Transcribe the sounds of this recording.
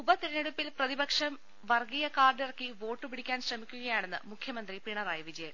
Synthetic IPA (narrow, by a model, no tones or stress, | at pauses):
ubɐt̪iɾɐneɽupːilprɐðibɐkʂɐm | ʋɐrɡijɐkaːrɖirɐkːiʋo̞ːʈːɨpiɽikʲːaːnɕrɐmikʲːuɣɐjaːɳe̞nːɨ̰mukʰjɐmɐnd̪ripiɳɐɾaːjɐʋid͡ʑɐjɐm